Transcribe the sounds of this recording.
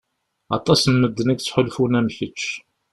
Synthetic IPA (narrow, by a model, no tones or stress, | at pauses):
ɑ̰t̪ˤɑsnməd̪ːənæɡt͡sːħʊlfunæmçət͡ʃː